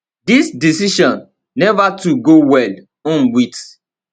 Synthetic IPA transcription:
disdisiʃɔ̃nː | ɛvatuɡowɛl | ɔ̃nwit

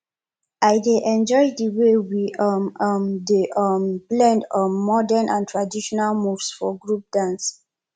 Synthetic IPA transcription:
aɪdeʔɛ̃nd͡ʒɔɪdəwewiʌmmdeʔʌmblɛ̃ndʌmːɔdɛ̃nʔãntʰɹadiʃɔnalmuvsfɔɡɹup̚d̥ãns

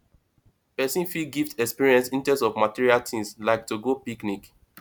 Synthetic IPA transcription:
pɛsĩnfiɡiftɛkspiɹiɛ̃nsĩntɛ̃sɔvmatiɹialtʰĩŋslaɪk̚tuɡopiknik

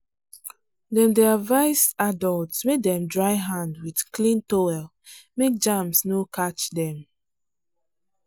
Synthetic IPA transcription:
dɛ̃ndɛavaɪsadɔltsmeɛ̃mdɹaɪɦãndwid̥klĩntoɛl | mek̚d͡ʒãmsnokʰat͡ʃdɛ̃m

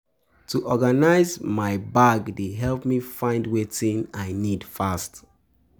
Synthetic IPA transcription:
tʰuʔɔɡanaɪzmaɪbaɡdeɦɛlˠpmifãɪ̃ndwetĩnaɪnidfast

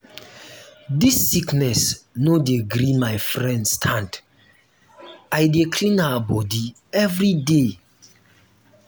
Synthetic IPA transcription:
disːiknɛsnodeɡɾimajfɹɛ̃ndstʰãnd | ajdekʰlĩnawabɔdi | ɛvɾide

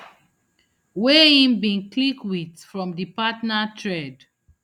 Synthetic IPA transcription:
weĩmbĩnklikwiθfɹɔ̃mdipatnatɹɛd

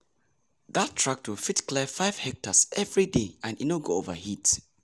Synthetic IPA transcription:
ðatʰːɹak̚twilfitklɛəfaɪv̥hɛk̚təsɛvɹideãninoɡoovəhit

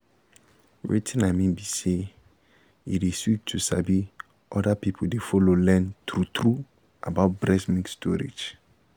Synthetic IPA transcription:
ɹḭtʰĩnãmibise | ḭdesuk̚tʰusabi | ʔɔdapipʰodefɔlolɛ̃ntɾutʰɾu | a̰baʊt̚blɛsmĩŋkstʰɔɾḛd͡ʒ

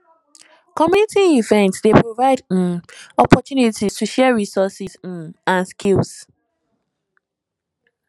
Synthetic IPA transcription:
kɔminitʰĩŋivɛ̃ntsdepɹovaɪd | ɔpɔtjunitistʰuʃɛɹisɔsizãnskʰils

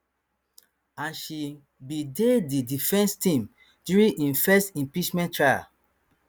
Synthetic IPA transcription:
ãnʃi | bidedidifɛ̃nstĩm | djuɹĩĩnfɛstĩmpit͡ʃmɛ̃ntɹaja̰

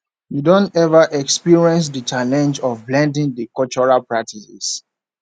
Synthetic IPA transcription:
jidɔ̃ntɛvaʔɛkspiɹiɛ̃ns̬dət͡ʃalɛ̃nd͡ʒɔvblɛ̃ndĩŋdəkɔlt͡ʃɔɹalpɹak̚tʰisɛ̰s

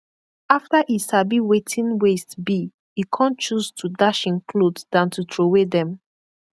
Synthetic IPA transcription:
aftaʔisabiwetʰĩnwestbi | ikʰɔ̃nt͡ʃuztʰudaʃĩnkʰlodd̥ãntʰutʰɹowedɛ̃m

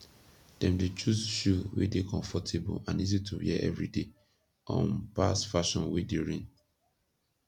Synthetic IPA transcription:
d̥ɛ̃mdet͡ʃusʃuwḛdekɔ̃ɱfɔtʰebṵãnizitʰuhiɛʔɛ̰vɹide | ʔɔ̰̃npasfaʃɔ̃nwedeɹĩn

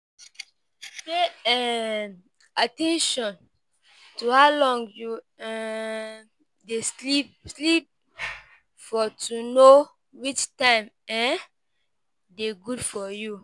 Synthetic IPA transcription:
peɛn | atɛ̃nʃɔ̃n | tuhaʊlɔ̃ŋɡju | ɛ̃ | deslip̚slip̚ | fɔtʰuno | wit͡ʃtãɪ̃m | ɛ̃ | deɡudfɔju

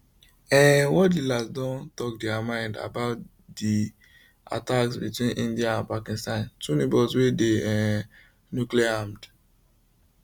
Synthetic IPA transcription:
ɛ̃wɔdilazdɔ̃ntɔkdɛamãɪ̃nda̰baʊt | di | a̰taksbitwĩnʔĩndiaãnpakĩnstãntunẽbɔswedeɛ̃ | njukliaãmd

